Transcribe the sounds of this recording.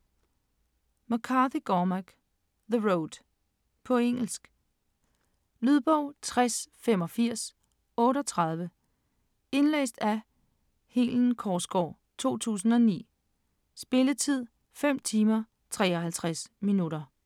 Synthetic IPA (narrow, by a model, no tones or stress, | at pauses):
mokʰɑ̈ðiɡ̥ɒːmæɡ̥ | ðəʁoʊd̥ | pʰɒ̽eŋ̰l̩sɡ̥ | lyðˠb̥ɒʊ̰t͡sʰʁasfem̰ɒ̽fiɐ̰s | ɔ̽ːɾəɒ̽t͡sʰʁɑ̈ð̞ˠʋə | e̝nlḛːsd̥æ | heln̩kʰɒːsɡ̥ɒ̰ː | t͡sʰo̝̰ːt͡sʰṵːs̬n̩ɒ̽nḭː | sb̥e̝lət͡sʰið̞̰ˠ | fem̰t͡sʰiːmɐ | t͡sʰʁɛ̰ːɒɦælt͡sʰʁasminuɾɐ